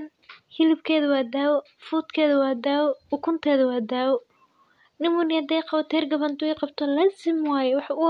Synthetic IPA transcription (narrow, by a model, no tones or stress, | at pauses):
n | hɪlɪbkʰɛːðɐwaːd̪aːwɔ | fuːt̪kʰɛːðɐwaːd̪aːwɔʊkʰʊnt̪ʰɛːðɐwaːd̪aːwɔ | nɪmʊnɪjɐd̪ɛjqɑwɐt̪ʰɛːrɡɐβɐnt̪ʰʊɛqɑbt̪ʰɔlɐsɪmwɑːjɛwɑħʊ